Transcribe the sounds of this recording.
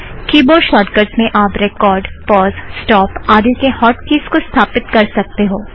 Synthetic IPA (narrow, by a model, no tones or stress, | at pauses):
kiːboʃɔːʈɡəɾsmẽʔaːpɾekɔːɾɖpɔːzsʈɔːpaːd̪ikehɔːʈkiːskost̪ʰaːpɪt̪kɐɾsɐk̚t̪eɦoː